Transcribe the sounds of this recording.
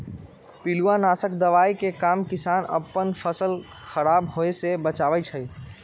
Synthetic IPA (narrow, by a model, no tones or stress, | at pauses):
piluanasəkd̪əʋaikekamkisanə̰pːənpʰəsəl | xəɾabɦoesebət͡ʃaʋɛt͡ʃʰəj